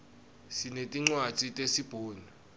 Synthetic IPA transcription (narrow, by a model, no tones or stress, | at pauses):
sinetʼiŋ͡ǀwat͡sʼitʼesib̥ʱoːna